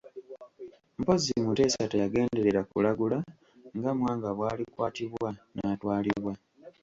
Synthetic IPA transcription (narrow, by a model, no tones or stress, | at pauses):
mpo̞zimute̞ːsatajaɡe̞ːnde̞ɾe̞ɾakulaɡula | ŋɡamwaːŋɡaβwaːlikwaːtiβwanatwaːliβwa